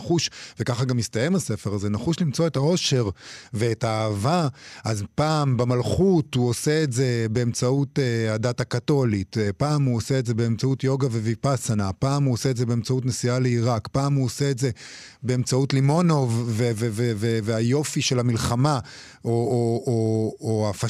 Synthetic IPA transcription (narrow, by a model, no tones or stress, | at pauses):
χuʃvekaχaɡamistajemase̞fe̞ʁazenaχuʃlimt͡so̞etao̞ʃe̞ʁveːtaːvaʔazpaːmbamalχuthuoseetze̞be̞ːmt͡sautehadatakato̞litpaːmuoseetze̞beemt͡sautjo̞ɡavevipasanapaːmuoseetzebeemt͡sautnesialeiʁakpaːmuoseetze̞ | be̞emt͡sautlimo̞no̞vveveveveveajo̞fiʃe̞lamilχama | oooːafa